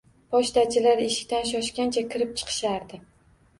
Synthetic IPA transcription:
pʰɒʃt̪at͡ʃʰɪlaɾeʃɪ̥kʲt̪anʃ̬ɒʃkʲant͡ʃʰakʲʰɪɾɪp̚t͡ʃʰɨ̥qʰɨ̥ʃaɾd̪ɪ

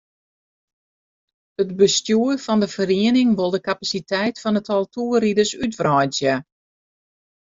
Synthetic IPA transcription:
ətbəstjuəfɔndəfəriənɪŋʋolˠdəkapasitʰɛjtfɔnətʰɔlˠtuəridəsytfrɔjsjə

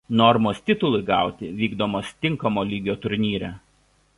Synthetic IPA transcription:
nɔɾmoːsʲt̪ʲɪt̪ʊlˠʊɪɡɑˑʊt̪ʲɪʋʲiːɡd̪oːmoːst̪ʲɪŋˑkɐmoːlʲiːɡʲoːt̪ʊɾʲnʲiːɾʲɛː

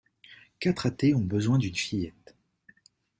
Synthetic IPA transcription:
kat̪χat̪eɔ̃bəzwɛ̃d̪ynfijɛt̪

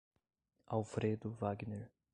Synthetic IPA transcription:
awfɾed̪ʊvaɡneɾ

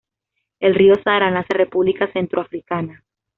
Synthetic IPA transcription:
e̞lrio̞saðɾanasere̞puβlikase̞nt̪ɾoafɾikana

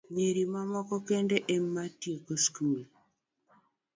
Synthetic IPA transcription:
ɲeɾimamɔkɔkendeʔemːatiokoskume

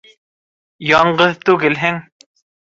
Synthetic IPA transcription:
jɒɴɢɤðt̪ʉɡɘlɦɘŋ

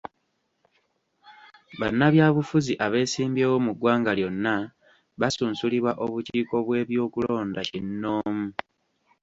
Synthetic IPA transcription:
βanːaβjaːβufuziʔaβe̞ːsiːmbjeːwo̞muɡwaːŋɡaljo̞nːa | βasuːnsuliβwaʔo̞βuciːko̞βwe̞ːβjo̞ːkulo̞ːndacinːo̞ːmu

